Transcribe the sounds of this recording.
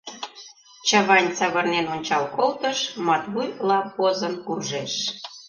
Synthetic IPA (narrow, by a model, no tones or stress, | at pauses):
t͡ɕə̆βɑnʲt͡sɑβɤ̆rnenonʲt͡ɕɑlkolt̪əʃmɑt̪βujlˠɑpozɤ̆nkurʒeʃ